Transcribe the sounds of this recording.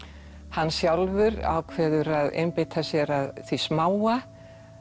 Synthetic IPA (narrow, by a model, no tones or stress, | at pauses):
hanːsjawlvʏɾa̰wkʰvɛːðʏɾaðḛjmpɪt̪ʰasjɛɾaðθvismaːwa